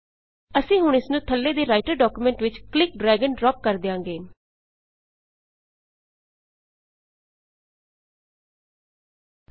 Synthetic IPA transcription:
əsĩːɦʊɳɪsnũːt̪ʰəlːeːd̪eːɾaːɪʈəɾɖɔːkumɛ̃ːɳʈʋɪt͡ʃklɪk̚ɖɾɛːɡəɳɖɾɔːp̚kəɾd̪eːãːɡeː

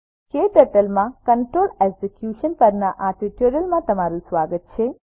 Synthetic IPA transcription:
keʈ̪əʈəlmãkəɳʈɾoleɡsekjuʃənpəɾnaʔaʈiʈjoɾəlmãt̪əmaɾũsʋaɡət̪̚t͡ʃʰe

